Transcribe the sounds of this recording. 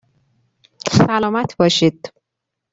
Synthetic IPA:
salɔmat̪bɔʃit̪

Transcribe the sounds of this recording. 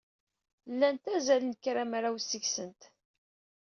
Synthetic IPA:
lːænt̪æzælənkːɾæmɾawsːiəçsənt̪

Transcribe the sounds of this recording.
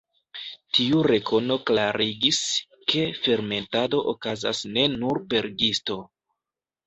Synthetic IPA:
tiuɾe̞kʰo̞no̞klaɾiɡis | ke̞fe̞ɾme̞ntado̞ʔokaza̰sne̞nuɾpe̞ɾɡisto̞

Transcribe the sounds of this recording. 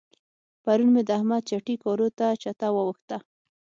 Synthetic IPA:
paɾunmed̪əahmad̪̚t͡ʃaʈikɔɾot̪at͡ʃat̪awəwəxt̪a

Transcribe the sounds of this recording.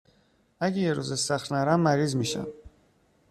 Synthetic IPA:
æɟejeɾuzesæxɾnæɾæmːæɾiːzmiːʃæ̰m

